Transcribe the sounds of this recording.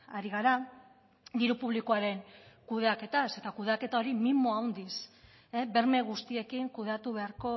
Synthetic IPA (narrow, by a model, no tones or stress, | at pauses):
aɾiɣaɾa | d̪iɾupuβ̞likoaɾe̞ŋkuð̞e̞ake̞t̪ase̞t̪akuðeake̞t̪ao̞ɾimimoawnd̪is | ebe̞ɾme̞ɣust̪ie̞kiŋkuðe̞at̪uβ̞e̞aɾko̞